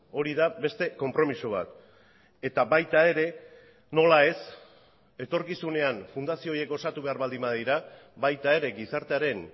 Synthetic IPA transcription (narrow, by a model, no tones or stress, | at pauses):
o̞ɾiðaβe̞st̪e̞ko̞mpɾo̞misoβ̞a̰t̪ | e̞t̪aβajt̪ae̞ɾe̞ | no̞lae̞s | e̞t̪o̞ɾkisune̞anfund̪asio̞ːje̞ko̞sat̪uβe̞aɾβald̪imaðiɾa | βajt̪ae̞ɾe̞ɡisaɾt̪e̞aɾe̞n